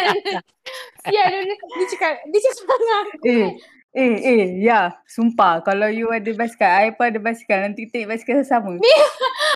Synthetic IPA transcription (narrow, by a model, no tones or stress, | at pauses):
ijadodit͡ʃukadit͡ʃuksmaŋae | eejasumpakalawjuadəbɛskaajpədəbɛskanãnt̪it̪ẽkbɛskasaməi